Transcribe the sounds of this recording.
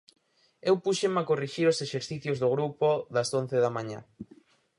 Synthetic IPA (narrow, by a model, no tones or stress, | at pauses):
ewpuʃemakoriʃiɾoseʃeɾθiθjozðoɣ̞ɾupoðɐson̟θeðɐmãɲa̰